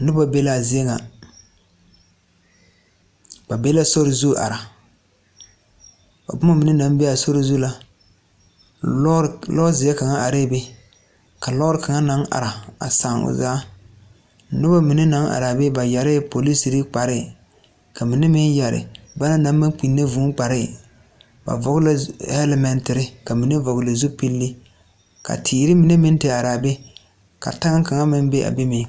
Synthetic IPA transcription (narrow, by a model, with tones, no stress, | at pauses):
nʊ˦ba˦be˦la˦˨zɪ˨˦e˦ŋa˨ | ba˨be˦la˦so˦ɾɪ˨zu˦ʔa̰˨ɾa˨ | a̰˨bʊ˦ma˦mi˨nɪ˦na˨˦m˦be˦a˨so˦ɾɪ˨zu˦la˦ | lɔː˦zɪ˨a˦ka˨ŋa˦a˨ɾe˦˨be˦ | ka˨lɔ˦ɾɪ˦ka˨ŋa˦na˨˦ŋa̰˨ɾa˨a̰˨sa˨ŋʊ̰˨zaː˦˨ | nʊ˦ba˦mi˨ne˦na˨˦ŋʔa̰˨ɾa˨be˦ba˨ja˨ɾɪ˦po˨li˦si˨ɾɪ˦k͡pa˨ɾɪ˦˨ | ka˨mi˨nɪ˦mɪ˦nja˨ɾɪ̰˨ba˦na˦na˨˦mː˦ɪ˦ŋk͡pi˨nːe˦vu˨˦ŋk͡pa˨ɾɪ˦˨ | ba̰˨vɔ˨ɣɪ˦la˦ɛ˦lɛ˦mɛ˨ntɪ˨ɾɪ˦ka˨mi˨nɪ˦vɔ˨ɣɪ˨la˨zu˦pi˦lːi˦ | ka̰˨tʰiː˨ɾɪ˦mi˨ne˦mɪ˦n˦te˦˨a˨ɾaː˨be˦ | ka̰˨ta˦ŋa˦ka˨ŋa˦mɪ˦n˦be˦ʔa̰˨be˦mɪ˨˦